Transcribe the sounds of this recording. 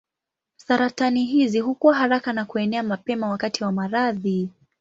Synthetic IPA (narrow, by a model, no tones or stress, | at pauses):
saɾataniɦizihukuwaɦaɾakanakuɛnɛamapɛmawakatiwamaɾaði